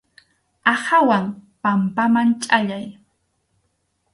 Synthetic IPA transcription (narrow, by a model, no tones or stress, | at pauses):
ahawaŋpampamant͡ʃʼaʎaj